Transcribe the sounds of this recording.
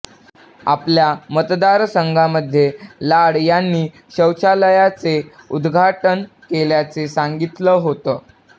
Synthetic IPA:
a̰pljamət̪d̪aɾsəŋɡʱaməd̪ʱːjelaɽjanːiː | ɕəwt͡ɕaləjat͡seud̪ɡʱaʈən | keljat͡sesaŋɡit̪ləːɦot̪əː

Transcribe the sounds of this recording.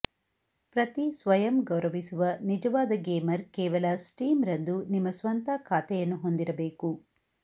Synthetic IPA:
pɾɐt̪isʋɐjɐmɡɐwɾɐʋisuʋɐnid͡ʒɐʋaːd̪ɐɡeːmɐɾkɛːʋɐlɐsʈiːmɾɐnd̪unimːɐsʋɐnt̪akʰaːt̪ɛjɐnːuɦo̞nd̪iɾɐbeːku

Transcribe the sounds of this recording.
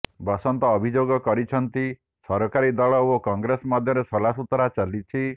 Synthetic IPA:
bɔsɔnt̪ɔːbʱid͡ʒoɡɔkɔɾit͡ʃʰɔnt̪i | sɔɾɔkaɾid̪ɔɭɔokɔŋɡɾesɔmɔd̪ʱjɔɾesɔlasut̪ɔɾat͡ʃalit͡ʃʰi

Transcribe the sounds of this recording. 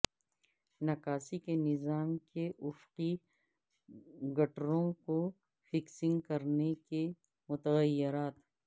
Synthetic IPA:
nɐkaːsikenɪzaːmkeʔʊfqi | ɡɐʈɾõko | fɪksɪ̃ŋɡkɐɾneke | mʊt̪əɣəjːɪɾaːt̪

